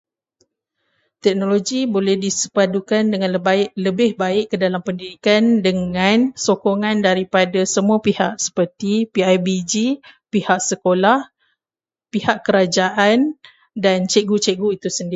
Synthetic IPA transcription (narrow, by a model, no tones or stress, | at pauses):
t̪ɛk̚noloɡibolɛhdisəpadukandəŋanəbaɪʔləbɪhbaɪʔkːədalampəndidikandəŋãnsokoŋãndaɾipadasəmuapihaʔ̚sə̥pərt̪ipiajbid͡ʒipihaʔ̚səkolah | pihaʔkəɾad͡ʒaʔan | dant͡ʃeɡut͡ʃeɡuit̪usəndi